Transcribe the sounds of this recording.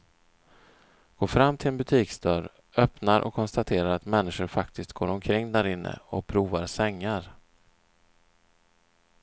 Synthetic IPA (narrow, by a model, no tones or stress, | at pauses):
ɡ̥oːfɾamːt̪ʰɪlɛnbɵt̪ʰiːksd̪œɾ | œpnaɾʔɔ̰kʰːɔnst̪at̪ʰeːɾaɾat̪mɛnːɪʂʊɾfak̚t̪ʰɪst̪̚ɡ̥oːɾɔmkʰɾɪŋːd̪æɾɪnːʔə̰ɔpʰɾuːvaɾsɛŋːaɾ